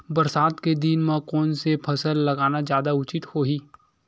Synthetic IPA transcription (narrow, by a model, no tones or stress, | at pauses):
bɐɾsaːd̪ked̪iːnmãkɔːnsepʰɐsəlːɐɡaːnad͡ʒjaːd̪aʊt͡ʃɪt̪hoːɦiː